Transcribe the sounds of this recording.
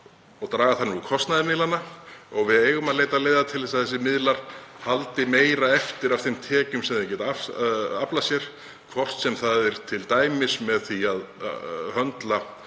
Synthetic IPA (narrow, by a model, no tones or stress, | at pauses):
ɔɣt̪ɾaːɣaθanːɪukʰɔst̪naðɪɾmɪlanːaɔɣvɪðeːjɣʏmaðleːjt̪aðleːjðat̪ʰɪlθɛs̬aðθɛs̬ːɪmɪðlaɾ̥halt̪ɪmeːjɾaɛft̪ɪɾav̥θemt̪ʰɛːcʏmsɛmðɪcɛːt̪aafaplasjɛɾ̥ | kʰvɔr̥t̪sɛmθaðɪɾ̥t̪ʰɪlt̪aːjmɪsmɛðθiaðhœnt̪la